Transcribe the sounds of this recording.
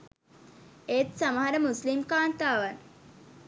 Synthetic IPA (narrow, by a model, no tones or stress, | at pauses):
et̪səmaɾəmuslimkaɳt̪aʋən